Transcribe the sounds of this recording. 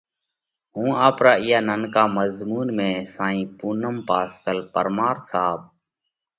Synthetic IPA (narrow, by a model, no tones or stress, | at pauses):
ɦũːaːpɾaːɪjaːnənkaːməzmuːnmẽːsãːĩːpuːnəmpaːskəlpəɾmaːɾsaːb̚